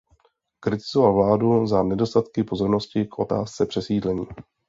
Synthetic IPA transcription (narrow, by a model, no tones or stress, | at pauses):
kɾɪt̪ɪzovalvlaːduzanɛdo̞st̪at̪kɪpo̞zo̞ɾno̞scɪkʔo̞t̪a̰ːst͡sɛpr̝̥ɛsiːdlɛɲiː